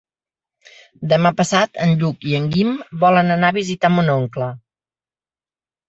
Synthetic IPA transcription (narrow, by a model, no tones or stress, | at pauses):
d̪əmapəsat̪ənʎukiəŋɡimbɔlənənaβizit̪amunoŋklə